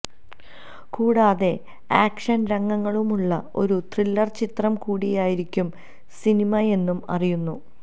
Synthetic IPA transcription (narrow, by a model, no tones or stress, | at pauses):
kuːɽaːðe̞ | aːkʂɐnɾɐŋːɐŋːɐɭumuɭːɐo̞ɾut̪rilːɐrt͡ɕit̪rɐmkuːɽijaːjiɾikʲːum | sinimɐe̞nːumɐ̰rijunːu